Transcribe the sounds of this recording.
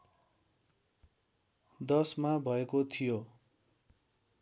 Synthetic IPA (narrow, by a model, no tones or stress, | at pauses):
d̪ʌsmabʱʌekot̪ʰijo